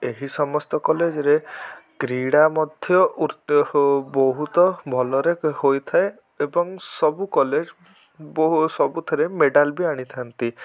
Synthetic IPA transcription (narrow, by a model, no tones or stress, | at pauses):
eɦisɔmɔst̪ɔkɔled͡ʒɔɾeɡ̥ɾiɽamɔd̪ʱjɔuɾ | bɔɦut̪ɔbʱɔlɔɾeɦojt̪ʰae | ebɔŋsɔbukɔled͡ʒ | sɔbut̪ʰɔɾemeɖalbiaɽ̃it̪ʰant̪i